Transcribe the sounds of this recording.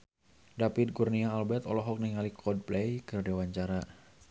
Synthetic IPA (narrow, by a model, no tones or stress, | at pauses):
dapit̪̚ɡurniaːlbɛt̪ɔlɔɦɔk̚niŋalikʰɔd̚plɛjkərdewaɲt͡ʃaɾa